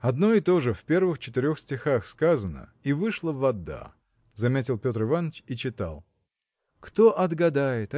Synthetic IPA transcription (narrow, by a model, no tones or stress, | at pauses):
ɐd̪no̞ɪt̪o̞ʐɨfpʲe̞rvɨxt͡ɕɪ̥t̪ɪɾʲo̞xsʲtʲɪxaxskazənə̰ivɨʂlˠəvɐd̪ːa̰ | zɐmʲetʲɪlˠpʲo̞t̪ɾɨvanːət͡ɕit͡ɕɪt̪a̰lˠ | kt̪oʔɐd̪ɡɐd̪ajɪt̪